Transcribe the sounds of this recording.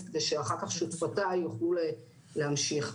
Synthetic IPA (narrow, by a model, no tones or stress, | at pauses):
ked̪eʃeaχakaχʃut̪fatajuχlule | lehamʃiχ